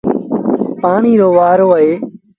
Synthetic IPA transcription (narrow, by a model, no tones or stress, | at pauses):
paːɳiːɾoːʋaːɾoːeː